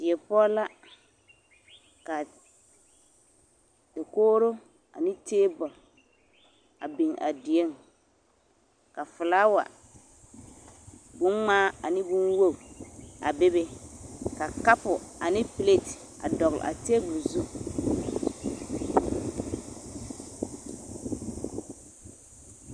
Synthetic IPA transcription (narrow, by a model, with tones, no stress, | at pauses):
d̥ɪ˨ɛ˨pɔ˦la˦ | ka˨ | da˨koː˦ɾo˦ | a̰˨nɪ˦teː˦bɔ˨l | a̰˨bi˨ŋʔa̰˨di˨e˦ŋ | ka˨fʊ˨la˦wa̰˨ | bʊ˦nŋ͡maː˦a˨nɪ˦bʊ˦nwo˦˨a̰˨be˦be˦ka˨ka˦pʊ˨a˨nɪ˦ple˦˨t | a̰˨dɔ˨ɣl̰ʔa̰˨te˦ɡʊ˨zu˦